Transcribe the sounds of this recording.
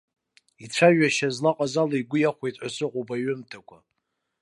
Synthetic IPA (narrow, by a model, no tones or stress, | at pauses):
it͡ɕʷʰaʒᶣaʃazlaqʼazalaiɡʷʊjaχʷejtʼʕʷasɨqʷʼobaɥɪmtʰakʷʰa